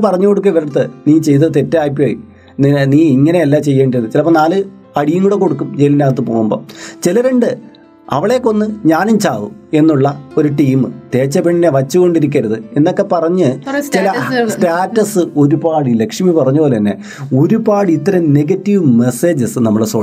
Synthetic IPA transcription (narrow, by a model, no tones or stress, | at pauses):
pɐrɐɲːuko̞ɽukːɐiʋɐɾɐɽɐt̪ːeniːt͡ɕe̞jt̪ɐðɨt̪etːɐːjpːioːjḭ | niniːiŋːɐneːlːaːt͡ɕe̞jːeːɳɖiɾunːɨt͡ɕilɐpːonaːlɨ | ɐɽijɐŋːuɽekːo̞ɽukːumd͡ʑe̞jlinaːɣɐt̪ːɨpo̞ːɣumboːt͡ɕilɐʋeɳɖɨ | ɐ̰ʋiɭe̞kːo̞nːɨɲaːnimt͡ɕaːʋue̞nːuɭːɐo̞ɾuʈiːmɨt̪e̞ːt͡ɕːɐpeɳːineʋɐt͡ɕːuɣo̞ɳɖiɾik̬ʲːɐɾɐðɨenːo̞kːe̞pɐrɐɲːɨt͡ɕilɐsʈaːtːɐsɨo̞ɾubaːɽile̞kʂmipɐrɐɲːupoːlt̪ɐnːḛ | oɾubaːɽiːt̪ːɐɾɐmne̞ɡɐtːiʋɨme̞se̞ːd͡ʑɨsnɐmːɐɭsoː